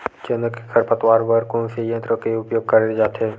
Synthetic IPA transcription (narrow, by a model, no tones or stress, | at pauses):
t͡ʃənəkekʰəɾpət̪waːɾbəɾkõnsejə̃nt̪ɾõkeʊpjoːɡ̚kɐɾled͡ʒaːt̪eː